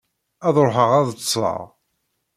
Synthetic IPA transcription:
æðˤɾħəʁæðsˤːə̰ʁ

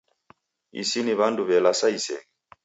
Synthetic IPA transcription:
ḭsiniβanduβɛlasaisɛ̰ŋ

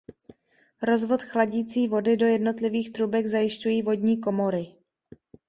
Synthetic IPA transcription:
ɾo̞zvo̞t̪xlaɟiːt͡siːvo̞dɪdo̞jɛdno̞t̪lɪviːxt̪ɾubɛɡzajɪʃcujiːvo̞dɲiːk̬o̞mo̞ɾɪ

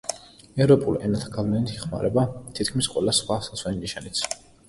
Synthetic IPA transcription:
ɛɾɔpʼuliʔɛnat̪ʰaɡavlɛnit̪ʰiχma̰ɾɛbat̪ʰit̪̚ʰkʰmisqʼwɛ̰lasχwasat̪sʰwɛniniʃanit̪sʰ

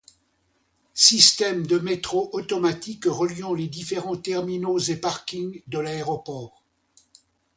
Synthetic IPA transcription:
sist̪ɛmd̪əmet̪χoʔɔt̪ɔmat̪ikʁəljɑ̃led̪ifeʁɑ̃t̪ɛʁminozepaʁkʲiŋd̪əlaeʁɔpɔːʁ

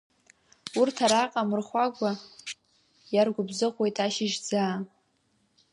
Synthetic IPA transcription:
urtʰaɾaqʼamɨrχʷaɡʷa | jarɡʷʊbzɨqwe̞jtʼaʃɪʒd͡zaː

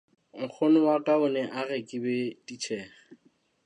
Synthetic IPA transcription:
ŋ̩k͡xʰonʊwatʼaʊnɛʔarɛkʼɪbɛtit͡ʃʰɛːχɛ

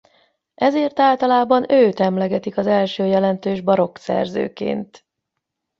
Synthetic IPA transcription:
ʔɛzeːrt̪aːlt̪ɒlaːbɒnøːt̪ɛmlɛɡɛt̪ikɒzɛlʃøːjɛlɛnt̪øːʒbɒɾo̞ksɛ̰rzø̰ːkḛːnt̪

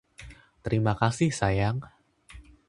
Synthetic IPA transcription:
t̪əɾimakasɪhsajaŋ

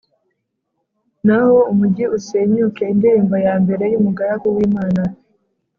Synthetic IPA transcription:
naho̞umuɟiusemɲukeindiɾiːmbojaːmbe̞ɾe̞jumuɡaɾakuwiːmaːna

